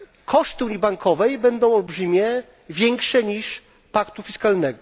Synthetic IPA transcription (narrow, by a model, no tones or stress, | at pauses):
kʰɔʂt̪ɘuɲibaŋkʰɔvɛjbɛnd̪ɔ̃w̃ɔlbʐɘmʲjɛ | vʲjɛŋkʂɛɲiʂ | pakt̪ufʲiskalnɛɡɔ